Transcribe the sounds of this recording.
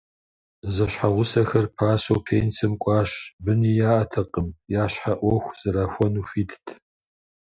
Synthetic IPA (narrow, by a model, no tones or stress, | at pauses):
zɐɕħaʁʷʊsɐxɐrpʰaːsowpʰeːnt͡sʰɐmkʷʼɑːɕbɨnijaːʔɐtʰɐqʼəmjaːɕħaʔʷɔxʷz̥ɨɾaːxʷɔnuːfiːtʰtʰ